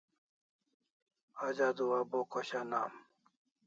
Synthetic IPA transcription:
ad͡ʑad̪uwabokoɕanaːm

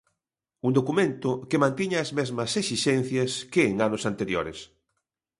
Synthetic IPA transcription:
und̪okumẽnt̪ʊkemãnt̪iɲaɐzmezmɐsesiʃɛn̟θjɐskeːŋanosant̪eɾjo̰ɾḛs

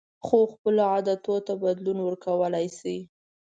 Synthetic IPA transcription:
xoxpəloɑd̪at̪ot̪abad̪lunwəɾkawəlajsi

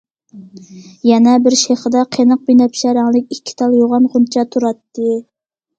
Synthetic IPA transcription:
jɛnɛbɪɾʃeχəd̪ɑqʰenəq̚binɛpʃæɾɑŋlˠɪkʲikʲʰːi̥t̪ʰɑlˠjoʁɑnʁunt͡ʃʰɑt̪ʰuɾɑt̪ːɨ

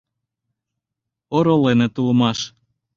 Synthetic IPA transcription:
oɾolenet̪uləmɑʃ

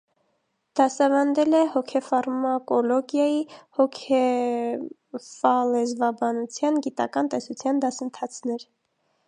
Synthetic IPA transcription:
d̪̥ɑsɑvɑnd̪ɛlɛhɔkʰɛfɑɾmɑkɔlɔɡjɑjihɔkʰɛ | fɑlɛzvɑbɑnut͡sʰjɑnɡit̪ɑ̰kɑnt̪ɛsut͡sʰjɑnd̪ɑsənt̪ʰɑt͡sʰnɛɾ

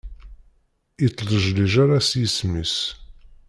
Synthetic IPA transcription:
it͡sˤːlˤəʒliʒaɾasjəsmis

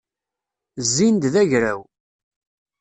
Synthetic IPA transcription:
zːind̪ðæʝɾæw

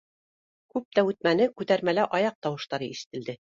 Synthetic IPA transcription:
kʉp̚t̪æʉt̪̚mænɘkʉt̪æɾmælæʔɑjɑq̚t̪ɑwɤ̆ʃt̪ɑɾɤiʃɘ̥̆t̪ɘ̆ld̪ɘ

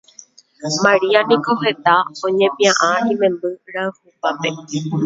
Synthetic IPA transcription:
mãɾianĩko̞ɦe̞t̪aõɲẽ̞pĩãʔãĩmẽ̞mbɨɾaɨhupape̞

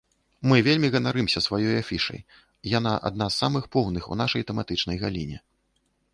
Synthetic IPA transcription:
mɨvʲelʲmʲiɣɐnaɾɨmsʲɐsvajɔjafʲiʂɐ̰j | jan̪aʔa̰d̪̚nasːamɨxpɔwnɨxṵnaʂɐjt̪ɛmat̪ɨt͡ʂn̪ɐjɣalʲinʲɛ

